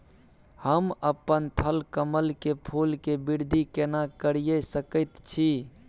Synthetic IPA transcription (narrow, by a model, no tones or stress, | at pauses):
həməpənt̪ʰəlkəməlkepʰulkebiɾd̪ʱikenakəɾijəsəkət̪t͡ʃʰi